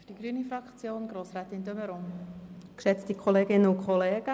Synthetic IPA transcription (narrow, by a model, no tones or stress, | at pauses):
fyd̥iɡɾyːənifɾɑkt͡sjoːnɡ̥ɾoːsɾɛːtɪndøməɾʊmkʃɛt͡stikʰoleːɡɪnənʊkʰχoleːɡ̥ə